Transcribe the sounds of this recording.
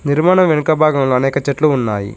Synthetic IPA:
niɾmaːɳɐmʋenukɐbʱaːɡɐmloːɐnɛːkɐt͡ʃeʈluːnːaːjḭ

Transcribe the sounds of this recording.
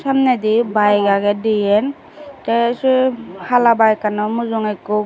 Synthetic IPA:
samnɛd̪ibajɡaɡɛdijɛn | tɛshalabajkanɔmuzɔŋekɔ

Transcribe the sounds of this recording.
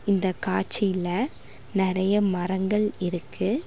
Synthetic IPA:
ɪnd̪ɐkaːt͡ʃɪjlɐ | nɪɾɐjɐmɐɾɐŋɡɐɭɪɾɯkʰːɯ

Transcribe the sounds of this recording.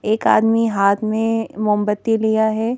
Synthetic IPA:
eːka̰ːd̪miɦaːt̪ʰmẽmʊ̃mbət̪ːilijaɦɛː

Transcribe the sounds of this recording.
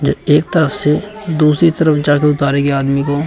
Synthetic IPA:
d͡ʒoːeːk̚t̪əɾəfsed̪uːsɾit̪əɾəfd͡ʒaːkeʊt̪aːɾeɡeaːd̪miko

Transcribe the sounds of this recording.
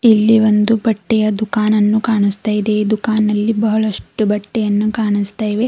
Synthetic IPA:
ilːiʋo̞nd̪ubɐʈːɛjɐd̪ukaːnɐnːukaːɳist̪aːjid̪ed̪ukaːnːɐlːibɐɦɐɭɐʂʈubɐʈːɛjɐnːukaːɳist̪aːjʋe

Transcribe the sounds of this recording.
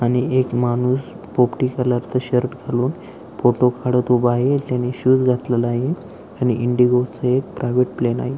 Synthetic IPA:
aɽ̃iekmanuːs | popʈikəɾlaɾt͡s̪əɕəɾʈɡʱaluːn | foʈokʰaɽət̪ubaɦet̪janeɕuːd͡zɡʱat̪ləlaɦe | añiʔiɳɖiɡot͡səek̚pɾajʋeʈplena̰ɦe

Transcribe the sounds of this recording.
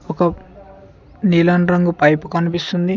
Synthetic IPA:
ɔkɐ | niːlaːnɾɐŋɡupɐjpukɐnipist̪und̪i

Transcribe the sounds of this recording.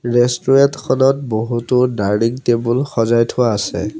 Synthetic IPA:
ɹestuɹantkʰɔnɔt̚boɦutʊdaɹniŋtebulxɔzajtʰʊwaːsɛ̰

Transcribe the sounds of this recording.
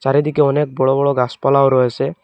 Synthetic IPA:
t͡ʃaɾed̪ikeɔnek̚bɔɭɔbɔɽɔɡaspɔlaoɾɔɦese

